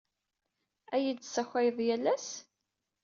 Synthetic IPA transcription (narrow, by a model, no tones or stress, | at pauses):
æjid̪sæçʷæjðˤjælːæs